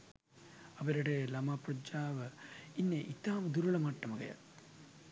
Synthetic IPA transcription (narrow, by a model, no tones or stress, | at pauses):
ɐʋɐɾɐɽelɐmaːpɾɐd͡ʒaːʋɐinːeʔit̪aːmɐd̪uɾɐɭɐmaʈːɐmɐɡɐ̰jɐ̰